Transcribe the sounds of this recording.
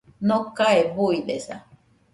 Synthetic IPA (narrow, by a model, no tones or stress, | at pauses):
nokaebuidesa̰